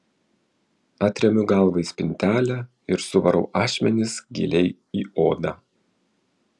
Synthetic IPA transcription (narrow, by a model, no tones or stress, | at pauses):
ɑːt̪ʲɾʲɛmʲʊɡɑlˠˑʋɐɪsʲpʲɪnʲt̪ʲæːlʲæ | ɪɾsʊʋɐɾɐʊʔɑːʃʲmʲɛnʲɪsɡʲɪ̰lʲɛɪ | iːoːd̪ɑː